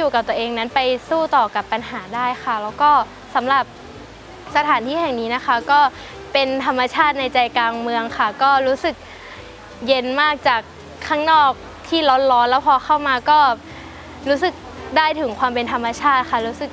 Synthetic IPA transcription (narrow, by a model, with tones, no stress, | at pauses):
juː˨˩ka˨˩p̚t̪u˧əʔeː˧ŋna˦˥npa˧jsuː˥˩t̪ɔː˨˩ka˨˩pːa˧nɦaː˩˦daː˥˩jxʰa˥˩lɛː˦˥wkɔː˥˩ | sa˩˦mɾa˨˩p̚ | sa˧t̪ʰaː˩˦nt̪ʰiː˥˩hɛ˨˩ŋniː˦˥na˦˥xʰa˦˥kɔː˥˩ | pe˧nt̪ʰa˧mːa˧t͡ɕʰaː˥˩t̪̚na˧jt͡ɕa˧jkaː˧ŋmɯ˧əŋkʰa˥˩kɔː˥˩ɾuː˦˥sɯ˨˩k̚ | je˧nmaː˥˩k̚t͡ɕaː˨˩kʰː | aː˥˩ŋnɔː˥˩k̚ | t̪ʰiː˥˩lɔ˦˥nlɔː˦˥nlɛː˦˥wpʰɔː˧xʰa˥˩wmaː˧kɔː˥˩ | ɾuː˦˥sɯ˨˩k̚ | daː˥˩jt̪ʰɯ˩˦ŋkʰwaː˧mpe˧nt̪ʰa˧mːa˧t͡ɕʰaː˥˩t̪̚kʰa˥˩ɾuː˦˥sɯ˨˩k̚